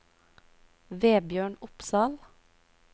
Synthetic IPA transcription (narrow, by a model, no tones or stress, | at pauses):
ʋeːbjøːɳʊpsɑːl